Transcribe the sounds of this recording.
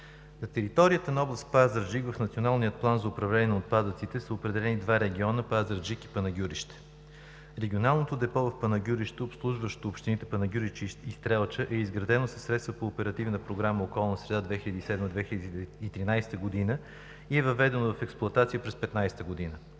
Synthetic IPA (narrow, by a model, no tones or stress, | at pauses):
nɐt̪ɛɾit̪ɔɾijət̪ənɐɔblˠəst̪̚pazəɾd͡ʒikvɐfnɐt̪sionalˠnijət̪̚plˠanzɐʊpɾɐvlɛnʲiɛnɐot̪̚pad̪ət̪sit̪ɛsəopɾɛd̪ɛlɛnid̪vaɾɛɡʲiɔnəpazəɾd͡ʒiki̥pɐnɐɡʲuɾiʃt̪ɛ̥ | ɾɛɡʲionalˠnot̪od̪ɛpɔvɐfpɐnɐɡʲuɾiʃt̪oopslˠuʒvəʃt̪oːpʃt̪init̪ɛ̥pɐnɐɡʲuɾit͡ʃist̪ɾɛlˠt͡ʃəʔɛizɡɾɐd̪ɛnosə̥sːɾɛt̪st̪vəpoːpɛɾɐt̪ivnəpɾoɡɾaməokɔlˠnəsɾɛd̪ad̪vɛxiʎʲəd̪isɛd̪məd̪vɛxilʲəd̪d̪it̪ɾinajst̪əɡod̪inə | iɛvɐvɛd̪ɛnovɐfɛksplˠʊɐt̪at̪sijəpɾɛspɛt̪najsɛ̥t̪əɡod̪inə